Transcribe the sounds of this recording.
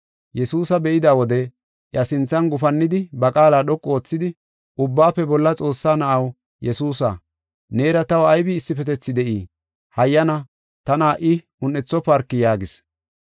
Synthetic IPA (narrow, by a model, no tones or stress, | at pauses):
jɛsuːsɐbɛʔɪd̪aːwɔd̪ɛ | ʔjɐsɪnt͡sːɐnɡʊfɐnːɪd̪ɪbɐkʼaːlaːɗɔkʼːo̞ːt͡sːɪd̪ɪ | ʔʊbːaːpːɛbɔlːɐt͡sʼo̞ːsːaːnɐʔɐw | jɛsuːsa̰ː | ne̞ːɾɐt̪ɐwɐjbɪːsːɪpɛt̪ɛt͡sːɪd̪ɛʔiː | hɐjːɐnɐ | t̪ɐnaːʔɪ | ʊnːɛt͡sːɔpɐɾkːɪjaːɡɪs